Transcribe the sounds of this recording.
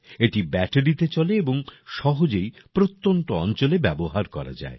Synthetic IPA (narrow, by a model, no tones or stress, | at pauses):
eʈibɛʈeɖit̪et͡ɕɔleeboŋʃɔɦod͡ʑej | pɾot̪ːonʈoɔ̰nt͡ɕolebɛboɦaɾkɔ̰ɾa̰d͡ʑa̰e